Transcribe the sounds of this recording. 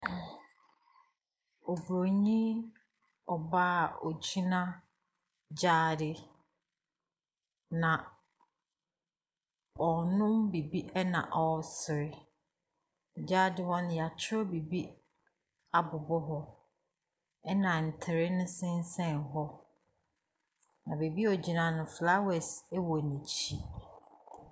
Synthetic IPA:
ɔ˨bɾo˨ɲĩ˦ | ɔ˨baː˦˨ɔ˨t͡ɕʰi˦nã˦ | d͡ʑaː˦˨dɪ˨ | nã˨ | ɔ˨nʊ̃˦mbi˨bi˦ʔɛ˦nã̰˨ʔɔ˨sɪ˨ɾɪ˦˨ | d͡ʑaː˦dɪ˦hɔ˦nɪ̃˦ja˨t͡ɕʰɪ˦ɾɔ˦bi˨bi˦ | a˨bʊ˨bɔ˦ɦɔ˦ | ɛ˦nã˨n̩˨tʰɪ˨ɾɪ˦nʊ̃˦sɪ̃˦n˦sɛ̃˦˨nɦɔ˦ | nã˨be˨bi˦ɔ˨d͡ʑi˨nã˨nʊ̃˨fla˦wɛ˨sɛ˦wɔ˨nĩ˨t͡ɕʰi˦

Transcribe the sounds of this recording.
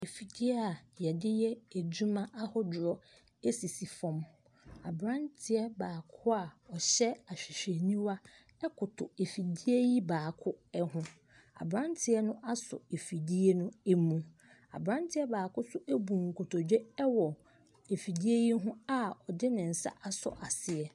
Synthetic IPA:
e˨fi˨di˦e˦a˨jɛ˨dɪ˦jɛ˦e˨d͡ʑu˦mã˦ʔa˦hɔ˦dʊ˨ɾɔ˨ | e˦si˨si˨fɔ̃˨m | a˨bɾã˦ntʰɪ˨ɛ˦baː˨kʰʊ˦a˦˨ɔ˨ɕɛ˦a˨ɕᶣɪ˨ɕᶣe˨nĩ˦wa˦ | ɛ˦kʰʊ˨tʰʊ˨e˨fi˨di˦e˦ji˦baː˨kʰʊ˦ɛ˦hʊ̃˦ | a̰˨bɾã˦ntʰɪ˨ɛ˦nʊ̃˦ʔa˦sʊ̰˨e˨fi˨di˦e˦nʊ̃˦e˦mũ˦ | a̰˨bɾã˦ntʰɪ˦ɛ˦baː˨kʊ˦sʊ˦ʔe˦bũ˨ŋ̩˨kʰʊ˨tʰɔ˨d͡ʑᶣɛ˦ɛ˦wɔ˨ | e˨fi˨di˦e˦ji˦ɦʊ̃˦a˨ɔ˨dɪ˦nɪ̃˨n̩˨sa̰˦ʔa˦sɔ̰˨ʔa˨sɪ˨ɛ˨

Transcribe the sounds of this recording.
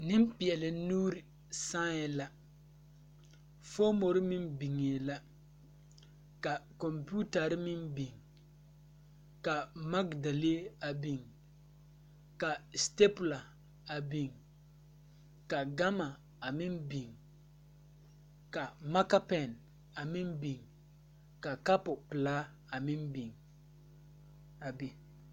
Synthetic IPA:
nɪ˦m˦pi˨ɛ˨lɪ˨nuː˦ɾi˨ | sã˦ɛ˨la˦ | fo˦mo˨ɾɪ˦mɪ˦mbi˨ŋe˨la˦ | ka˨kɔ˨mpu˦ta˨ɾɪ˦mɪ˦mbi˨ŋ | ka˨ma˦ɡda˨le˦a˨bi˨ŋ | ka˨ste˦pʊ˨la˨ | a˨bi˨ŋ | ka˨ɡa˦ma˨ | a˨mɪ˦mbi˨ŋ | ka˨ma˦ka˦pɛ˨n | a˨mɪ˦mbi˨ŋ | ka˨ka˦pʊ˨pɪ˨la˦ | a˨mɪ˦mbi˨ŋ | a˨bi˨

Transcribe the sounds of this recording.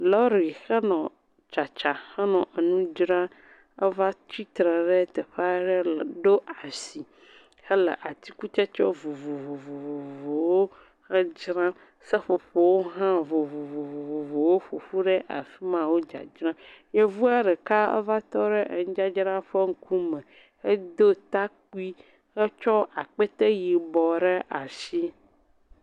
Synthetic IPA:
lɔ˦ɾi˨xə˦nɔ̃˨ | t͡ʃa˨t͡ʃa˨ha˦nɔ̃˨ʔə˨nũ˦d͡ʒɾã˦ | ə˦va˦t͡ʃi˦t̪ɾɛ˨ɖɛ˦t̪ɛ˨ɸa˦ɖɛ˦lɖo˦a˨si˨ | hə˦lə̰˨ʔa˨t̪i˦ku˦t͡ʃɛ˦t͡ʃɔ˦vo˨vo˨vo˨vo˨vo˨vo˨wo˦ | xə˦d͡ʒɾã˦ | sə˦ɸo˨ɸo˨wo˦ɦã˦vo˨vo˨vo˨vo˨vo˨vo˨wo˦ɸo˨ɸu˦ɖə˦ʔa̰˨fi˦mã˨wo˦d͡ʒa̰˨d͡ʒɾã˦je˦vu˦a˦ɖə˨ka˦ə̰˦va˦t̪ɔ˦ɖə˦ʔə˨ŋ̩˦d͡ʒa˦d͡ʒɾã˦ɸə˦ŋ̩˦ku˦mə̃˨ | ə˦d̪o˦t̪a˦k̚u˦i˦ | hə˦t͡ʃɔ˦a˨k͡pə˦t̪ə˦ji˨bɔ˨ɖə˦ʔa˨si˦

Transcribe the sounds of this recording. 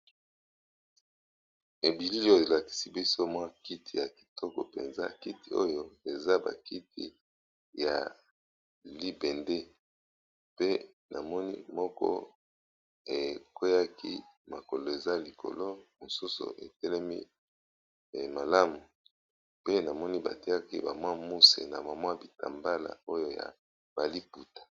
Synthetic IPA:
e˨bi˨li˦jo˦e˨la˨ki̥˨si˦bi˦so˦mwa˦ki˦ti˨ja˨ki̥˨tʰɔ˦kɔ̰˨pḛ˨nza̰˦ki˦ti˨o̰˦jo˦e˨za˦ba̰˨ki˦tḭ˨ | ja̰˨ | li˦bɛ˨nde˦ | pe˦ | nʔa˨mɔ˦nḭ˦mɔ˦kɔ̰˦ | e˨kwe˦ja˦ki˦ma˨ko˨lo˨e˨za˦li˨ko̰˨lo˦mo˨su˦so̰˨ʔe˨tɛ˦lɛ˦mḭ˦˨ | ma˨la˦mu˨ | pe˦na˨mɔ˦ni˦ba̰˨ti˦a˦ki˦ba˨mwa˦mu˦sḛ˨na̰˨ma˨mwa˦bi˨ta̰˨mba˦la̰˨o˦jo˦ja̰˨ | b̥a˨li˦pu˨tḁ˨

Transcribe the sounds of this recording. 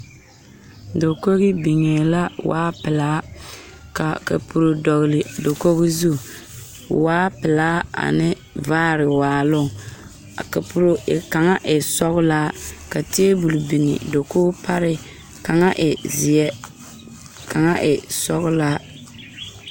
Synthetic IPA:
do˨ko˦ɣi˦bi˨ŋe˨la˦wa̰ː˦pɪ˨laː˦ | ka˨ka̰˨pu˨ɾo˨dɔ˨ɣlɪ˨do˨ko˦ɣi˦zu˦˨ | waː˦pɪ˨laː˦a̰˨nɪ˦ | vaː˦ɾɪ˨waː˨lʊ˦˨ŋ | ka˨pu˨ɾo˨ɪ˨ka˨ŋa˦ʔɪ˨sɔ˦ɣʊ˦laː˦ka˨ti˦e˦bu˨lbi˨nɪ̰˨do˨koː˦pʰa˦ɾɪ˦ | ka˨ŋa˦ʔɪ˨zɪ˨ɛ˦ | ka˨ŋa˦ʔɪ˨sɔ˦ɣʊ˦laː˦

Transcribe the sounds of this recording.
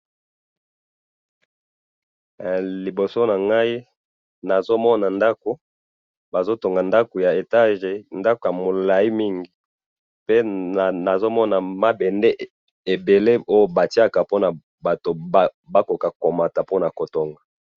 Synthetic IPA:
li˨bo˨so˦na˨ŋɡa˦i˦ | na˨zo˦mɔ˦na˨nda˦ko˨ | ba˨zo˦to˨ŋɡa˨nda˦ko˨ja˨e˨ta˦ʒe˨nda˦ko˨ja˨mo˨la˨i˦mi˦ŋɡi˨ | pe˦˨na˨zo˦mɔ˦na˨ma˦bɛ˨nde˦ | e˨be˨le˦o˦jo˨ba˨ti˦a˦ka˨po˦na˨ | ba˨to˨˦ | ba˦ko˨ka˨ko˨ma˨ta˨po˦na˨ko˨to˨ŋɡa˨

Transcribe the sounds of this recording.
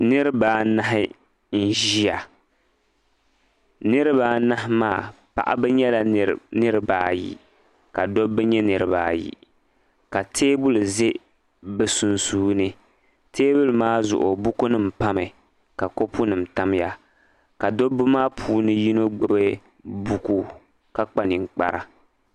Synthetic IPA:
nɨ˦ɾɨ˦baː˨˦na˦ɦɪ˦ | n̩˦ʒi˦ja˨ | nɨ˦ɾɨ˦βaː˨na˦ɦɪ˦maː˦˨ | pa̰˨ʔa̰˦bɛ˦ɲɛ˦la˨nɨ˦ɾɨ˦baː˦jḭ˨ | ka˨do˦bɛ˦ɲɛ˦nɨ˨ɾɨ˦ba̰ː˦jḭ˨ | ka˨tʰeː˦bu˦lze˦ | bɛ˨su˨nsuː˦nɨ˦ | teː˦bu˦lmaː˦zʊ̰˨ʔʊ˨bu˦ku˦nɨ˦m̩˨pa˦mɨ˨ | ka˨ko˦pʰu˦nɨ˨m̩˨ta˦mja˦ | ka˨do˦bu˦maː˦pʰuː˦nɨ˦ji˦no˦ɡ͡bʊ˦be˦ | bu˦ku˦ | ka˦k͡pa˦ni˨ŋ˨k͡pa̰˨ɾa̰˨

